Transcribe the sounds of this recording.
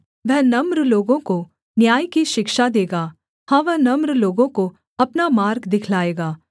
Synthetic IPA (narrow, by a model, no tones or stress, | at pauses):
ʋɛɦnɐmɾloːɡõko | njaːjkiʃɪkʃad̪eːɡaː | hãːʋɛɦnɐmɾloːɡõko | ɐpnamaːɾɡd̪ɪkʰlaːeːɡaː